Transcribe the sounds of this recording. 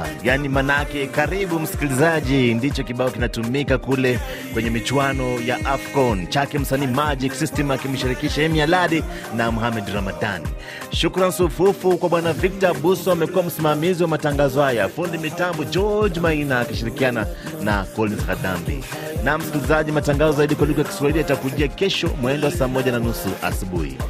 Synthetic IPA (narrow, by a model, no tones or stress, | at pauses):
janimanakɛkaɾiɓum̩si̥kilizaʄindit͡ʃɔkiɓaɔkinatumikakulɛ | kwɛɲɛmit͡ʃwanɔjaʔafkɔnt͡ʃakɛm̩saniːmad͡ʒiksistɛmakim̩ʃiɾikiʃaɛmijalaɗi | namuhamɛdɾamada̰nḭ | ʃukɾansufufukwaɓwanavik̚tabusɔamɛkuwam̩simamiziwamataŋɡazɔhajafundimitambɔd͡ʒɔd͡ʒmainaːkiʃiɾikiana | na̰kɔlinsxada̰mbḭ | nam̩skilizaʄimataŋɡazɔzaiɗikwalik̬ɔjaki̥swahiliatakuʄiakɛʃɔ̰mwɛndɛwasaːmɔʄananusuʔa̰suɓṵhḭ